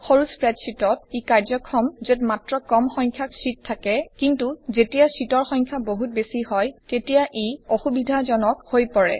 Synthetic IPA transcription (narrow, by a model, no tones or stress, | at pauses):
xoɹuspɹɛtsitɔt̚ikaɹzɔkʰɔmzetmatɹɔkɔmxɔɲkʰjaksitʰːakɛkintuzetijasitɔɹxɔjŋkʰjaboɦut̚besihɔjtetijaʔejoxubidʱazɔnɔk̚hojpɔɹɛ̰